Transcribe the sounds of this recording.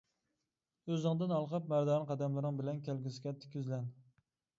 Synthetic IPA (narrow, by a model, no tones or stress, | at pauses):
øzɪŋd̪ɪnɑlˠqʰɑp̚mæɾd̪ɑːnqʰɑd̪ɛmlɪɾɪŋbɪlɛnkʲʰælɡʲisɪɡʲɛt̪ʰːɪ̥kʲʰyzlɛn